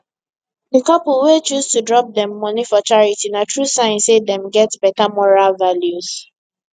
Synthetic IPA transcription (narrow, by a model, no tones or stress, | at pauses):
dikɔpowet͡ʃuztudɹɔp̚dɛ̃mːɔ̃nifɔt͡ʃaɹitinatɹusãɪ̃nsedɛ̃mɡɛtbɛtamɔɹalvaljuz̥